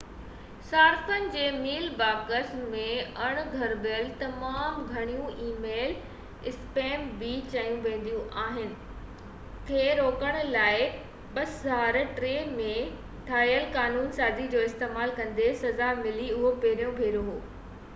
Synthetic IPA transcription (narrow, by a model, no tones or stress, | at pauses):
saːɾfənɪ̆d͡ʑeːmiːlbaːkəsmẽɐɽ̃ɡʱɐɾbjəlt̪ɐmaːmɡʱɐɽ̃ijũʔiːmeːl | ɪspeːmbit͡ɕɐjũʋẽːn̆d̪ijũʔaːɦɪnɪ̆ | k̪ʰeːɾoːkəɽ̃laːɪ | ɓɐszaːɾʈɾeːmẽ | ʈʰaːjəlkaːnuːnsaːzid͡ʑoːɪst̪eːmaːlkɐ̃nd̪esɐzamɪliʊɦopeːɾijõbʱeːɾoɦoː